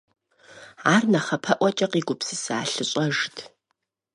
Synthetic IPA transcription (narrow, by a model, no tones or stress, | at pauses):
aːrnɐχɐpʰɐʔʷɔt͡ʃʼɐqiːɡʷʊpsɨsɨaːɬɨɕʼɐʒtʰ